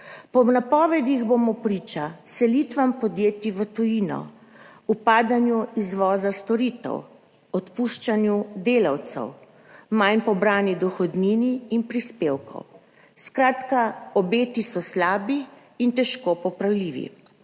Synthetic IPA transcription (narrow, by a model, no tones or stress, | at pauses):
pɔnapɔːʋɛd̪iɣbomɔpɾiːt͡ʃasɛlit̪ʋampɔd̪jeːt̪iʋət̪ujinɔ̰ | upaːd̪anjuizʋɔːzast̪ɔɾit̪ɛ̰w | ɔt̪puʃt͡ʃanjud̪eːlawt̪sɛ̰w | majnpɔbɾaːnid̪ɔxɔd̪niniːnpɾispewkɔ̰w | skɾaːt̪kaɔbeːt̪isɔslaːbiː | nt̪ɛʃkopɔpɾawliːʋḭ